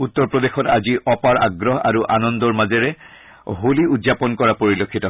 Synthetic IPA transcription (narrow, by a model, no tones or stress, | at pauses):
ut̪ːɔɹpɹɔdexɔtaziʔɔpaɹa̰ɡɹɔɦa̰ɹuʔanɔndɔɹmazɛɹɛ | ɦuliudzapɔnkɔɹapoɹilokʰːitɔ